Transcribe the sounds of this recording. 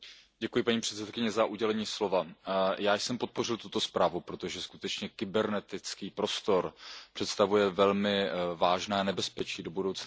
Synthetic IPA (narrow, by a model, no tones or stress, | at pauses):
ɟɛkujɪpaɲiːpr̥ɛt̪ɛt̪kɪɲɛzaʔuɟɛlɛɲiːslo̞vajaːjsɛmpo̞t̪̚po̞rɪlt̪ut̪o̞spɾaːvupɾot̪o̞ʒɛskut̪ɛt͡ʃɲɛkɪbɛɾnɛt̪ɪt͡skiːpɾo̞st̪o̞ɾpr̝̥ɛt̪st̪avujɛvɛlmɪvaːʒnɛːnɛbɛspɛt͡ʃiːdo̞budo̞wt͡sna